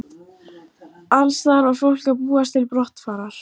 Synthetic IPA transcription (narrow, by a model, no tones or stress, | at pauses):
alsθaɾvaɾ̥fowl̥kaðpuːast̪ʰɪlpɾɔht̪faːɾaɾ̥